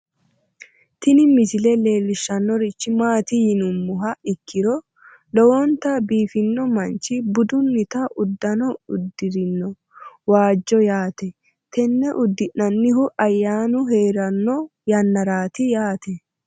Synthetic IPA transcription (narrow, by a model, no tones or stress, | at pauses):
t̪ɪnɪmɪsɪlɛle̞ːlːɪʃːɐnːɔɾɪt͡ʃːɪmaːt̪ɪjɪnʊmːʊɦɐɪkʰːɪɾɔ | lɔwɔnt̪ɐbiːfɪnːɔmɐnt͡ʃɪbʊd̪ʊnːɪt̪ɐʔʊd̪ːɐnɔʊd̪ːɪɾɪnːɔ | waːd͡ʒːɔjaːt̪ɛ | t̪ɛnːɛʔʊd̪ːɪʔːɐnːɪhʊʔɐjːaːnʊɦeːɾɐnːɔjɐnːɐɾaːt̪ɪjaːt̪ɛ